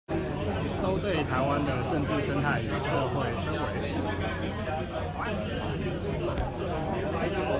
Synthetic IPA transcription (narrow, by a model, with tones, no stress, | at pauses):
t̪o˥ʊt̪we˥˨ɪt̪ʰa˨˦ɪwa˦nd̪ə˨ʈ͡ʂə˥˧ŋt͡sɻ̩˥˨ʂə˦nt̪ʰa˥˩ɪo˨˩ʂɤ˥˧xwe˥˩ɪ˥˨